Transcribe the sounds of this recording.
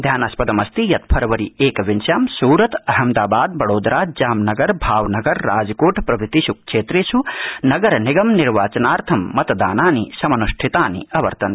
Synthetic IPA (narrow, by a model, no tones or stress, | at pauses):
d̪ʱjaːnaspɐd̪ɐmɐst̪ijɐt̪̚pʰɐɾʋɐɾieːkʋinsjaːmsuːɾɐt̪ɐɦɐmd̪aːbaːd̪̚bɐɽoːd̪ɾaːd͡ʒaːmnɐɡɐɾbʱaːʋnɐɡɐɾːaːd͡ʒkoːʈʰpɾɐbit̪isuk̚t͡ʃʰeːt̪ɾeːsʰunɐɡɐɾniɡɐmniɾʋaːt͡ʃɐnaːɾt̪ʰɐmːɐt̪d̪aːnaːnisɐmɐnusʈʰit̪aːnḭɐʋɐ̰ɾt̪ɐn